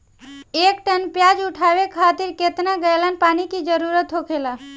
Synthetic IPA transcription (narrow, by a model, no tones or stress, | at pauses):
ek̚ʈənpjad͡ʒuʈʰabekʰat̪iɾket̪naɡəjlənpanikid͡ʒəɾuɾət̪ɦokʰela